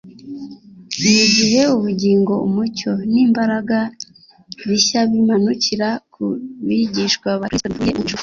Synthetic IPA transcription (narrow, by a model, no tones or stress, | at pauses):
iziɦe̞uβuɟiːŋɡo̞umuco̞niːmbaɾaɡa | βiçaβimanuciɾakuβiɟiʃkwaβaɾisvujeʔit͡ʃu